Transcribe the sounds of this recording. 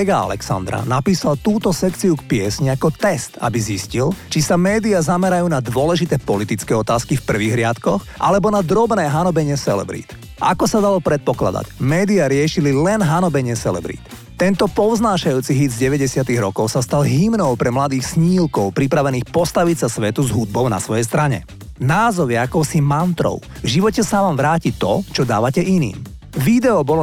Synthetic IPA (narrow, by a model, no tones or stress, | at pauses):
ɛɡaa̰lɛ̰ksa̰nd̪ɾa̰napiːsalt̪uːt̪ɔsɛkt͡siukpɪɛsɲiakɔt̪ɛst̪a̰biziscilt͡ʃisamɛːd̪iazamɛɾajuːnad̪ʋʊɔlɛʒit̪ɛːpɔlit̪it͡skɛːɔt̪aːskifpr̩ʋiɣɾɪat̪kɔxʔa̰lɛbɔnad̪ɾɔbnɛːɦanɔbɛɲɪɛsɛlɛ̰bɾḭːt̪ | ʔa̰kɔsad̪alɔpɾɛt̪̚pɔkla̰d̪a̰cmɛːd̪iaɾɪɛʃililɛnɦanɔbɛɲɪɛsɛ̰lɛ̰bɾḭːt̪ | t̪ːɛnt̪ɔpɔʊznaːʃajuːt͡siɦid̪zɟɛʋɛɟɛsɪat̪iɣɾɔkɔʊsast̪alɦimnɔʊpɾɛmlad̪iːxsɲiːlkɔʊpɾipɾaʋɛniːxpɔst̪aʋicsasʋɛt̪uzɦud̪̚bɔʊna̰sʋɔjɛjs̬t̪ɾaɲɛ̰ | naːzɔʋɪɛakɔʊsimant̪ɾɔ̰ʊvʒiʋɔcɛsaʋaːmʋɾaːcit̪ɔt͡ʃɔd̪a̰ːʋacɛʔinḭːm | ʋid̪ɛɔbɔl